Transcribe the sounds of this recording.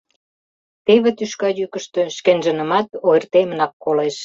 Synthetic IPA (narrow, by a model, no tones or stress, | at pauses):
t̪eβĕt̪yʃkɑjykə̆ʃt̪ø̆ʃkenʒə̆nə̆mɑt̪ojərt̪emənɑkːoleʃ